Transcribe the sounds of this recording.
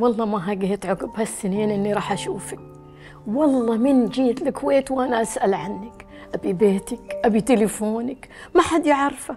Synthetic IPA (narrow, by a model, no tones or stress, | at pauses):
wɑlˤːɑːmaɦaːɡahɪt̪ʕʊɡɪbhasːɪniːnʔɪnːiɾˤɑːħʔaʃuːfɪk | wɑlˤːɑːmɪnd͡ʒiːt̪lɪkʰweːt̪wʔanaʔasʔalʕanːɪk | ʔabibeːt̪ɪkʔabit̪ɪlɪfoːnɪkmaħad̪jaʕɑɾˤfa